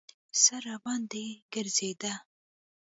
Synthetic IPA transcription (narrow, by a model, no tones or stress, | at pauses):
saɾabɑnd̪eɡəɾzed̪a